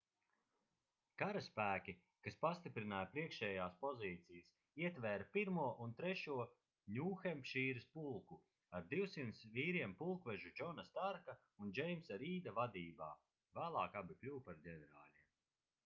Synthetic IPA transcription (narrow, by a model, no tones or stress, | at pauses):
kaɾaspæːkʲi | kaspast̪ipɾinaːjpɾiɛkʃɛːjaːspɔziːt̪sijas | iɛt̪vɛːɾapiɾmuɔʔunt̪ɾɛʃuɔ | nʲuːxɛmpʃiːɾispulˠku | aɾd̪iwsint̪sviːɾiɛmpulˠkvɛʒud͡ʒɔnast̪aɾka | und͡ʒɛjmsaɾiːd̪avad̪iːba̰ː | væːlˠɑːkabʲiklʲuwpaɾd̪ʲɛnɛɾaːlʲiɛm